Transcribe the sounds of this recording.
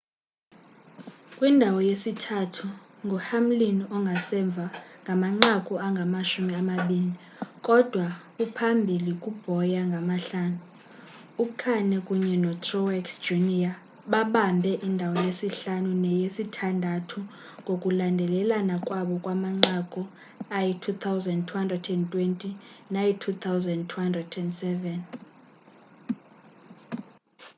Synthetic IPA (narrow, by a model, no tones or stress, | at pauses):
kʼwindʱawɔjesitʰatʰuŋɡʱɔhamlinɔŋɡʱasɛɱb̪vʱaŋɡʱamaŋ͡ǁakʼuaŋɡʱamaʃumiamaɓiːni | kʼɔd̥ʱwakupʰambʱilikʼub̥ʱɔjaŋɡʱamaɬaːnu | ukʰanɛkʼuɲɛnɔtʰrɔwɛksd͡ʒunia | ɓaɓambʱɛʔindʱawɔnesiɬanunɛjesitʰandʱatʰu | ŋɡʱokʼulandʱɛlɛlanakʼwaɓɔkʼwamaŋ͡ǁakʼɔ | ajitʰut̪ʰawzɛndtʰuhandrɛdɛntʼwentʼinajitʰut̪ʰawzɛndtʰuhandrɛdɛndsɛvɛn